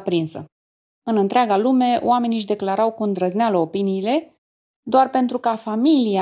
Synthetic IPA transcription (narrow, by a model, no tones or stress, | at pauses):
pɾinsə̰ | ɨnɨnt̪ɾeaɡalume̞o̰wame̞niʃ̬d̪e̞klaɾawkund̪ɾəznealəo̞piniːle̞ | d̪oarpe̞nt̪ɾukafamilia